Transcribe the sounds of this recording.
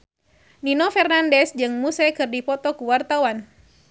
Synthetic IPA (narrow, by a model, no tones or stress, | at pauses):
ninɔfɛrnandɛsd͡ʒɨŋmusɛkɨrdipɔt̪ɔkuwart̪awan